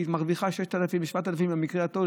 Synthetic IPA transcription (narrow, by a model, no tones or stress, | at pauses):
t̪maʁviχaʃeʃt̪alafimvʃvat̪alafimbemikʁeat̪ol